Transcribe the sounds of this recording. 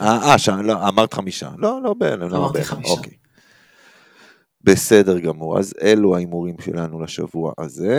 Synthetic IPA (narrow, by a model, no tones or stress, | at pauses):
aaʃaloamaʁt̪χamiʃa̰lo̞lo̞beelemlobeḛlḛmʔo̞̰kej | be̞se̞de̞ʁɡamuʁa̰zeluaimuʁimʃḛlanulaʃa̰vua̰ʔaze̞